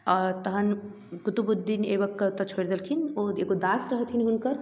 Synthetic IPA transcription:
ɔɾt̪əɦən | kut̪ubud̪ːineːbəkːət̪ət͡ʃʰoɾd̪elkʰinoeɡod̪aːsɾəɦət̪ʰinɦunkəɾ

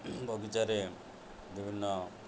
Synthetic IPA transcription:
bʱɔɡit͡ʃaɾe | bibʱinːɔ

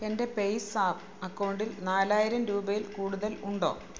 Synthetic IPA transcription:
ende̞pejsaːp | ɐkːɐwɳɖilnaːlaːjiɾɐmɾuːbɐjilkuːɽuðɐluɳɖo̞̰ː

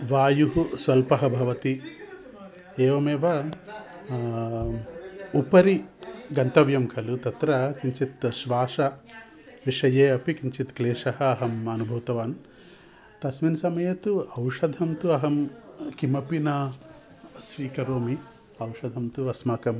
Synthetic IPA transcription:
ʋaːjuɦusʋɐlpɐɦɐbʱɐʋɐt̪i | eːʋɐmeːʋɐ | upɐɾiɡɐnt̪ɐʋjɐmkʰɐlut̪ɐt̪ɾɐkiɲt͡ʃit̪ʃʋaːʂɐ | ʋiʂɐjeːɐpikiɲt͡ʃit̪kleːʂɐɦɐːɦɐmɐnubʱɐʋt̪ɐʋaːn | t̪ɐsminsɐmɐjɐt̪uɐwʂɐd̪ʱɐmt̪uɐɦɐmkimɐpina | sʋiːkɐɾoːmi | ɐwʂɐd̪ʱɐmt̪uɐsmaːkɐm

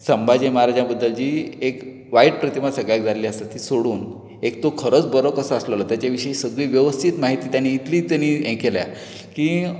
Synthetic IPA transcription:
səmbʱad͡ʑẽməɦaɾad͡ʑjãbəd̪ːəld͡ʑiːek | ʋaiʈ̚pɾət̪imat̪səɡɭjakd͡zʱaleliəst̪at̪ːiːsoɽuːn | ekt̪okʰəɾət͡sbəɾəkəsaəsləlat̪jat͡ɕjaʋiɕəisəɡɭiːʋjəʋəst̪ʰit̪maɦit̪iːt̪janːiːt̪liːt̪anːiːẽkelja̰ | kiː

